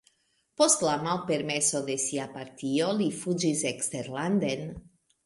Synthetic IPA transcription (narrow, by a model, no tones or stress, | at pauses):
po̞st̪lamalpe̞ɾme̞so̞d̪e̞siapaɾt̪io̞lifud͡ʒisekst̪eɾland̪en